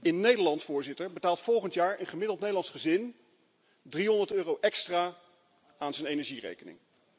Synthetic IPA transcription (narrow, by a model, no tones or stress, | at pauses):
ɪnːejdəɹlɑntsfʊːɹzɪtəɹbətaːlˠtfɔlˠχəntjaːɹənχəmɪdlˠtnejdəlɑntsχəzɪn | driɦɔndəɹtøːrowʔɛkstraː | aːnzənejnɛɹʒirḛjkənɪ̰ŋ